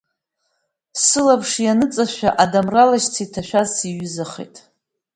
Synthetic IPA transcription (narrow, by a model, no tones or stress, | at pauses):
sɨlapʰʂjanɨt͡sʼaʃᶣaʔadamralaʃt͡sʰitʰaʃᶣazsiɥʊzaχḛjtʼ